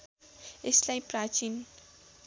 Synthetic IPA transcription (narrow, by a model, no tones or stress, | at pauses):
eslajprat͡ʃin